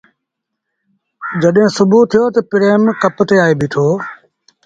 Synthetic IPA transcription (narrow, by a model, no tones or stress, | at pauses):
d͡ʒəɗɦɪ̃ːsʊbʱuːt̪ʰɪjoːt̪əpɾeːmkəpt̪eːaːeːbʱiːt̪ʰoː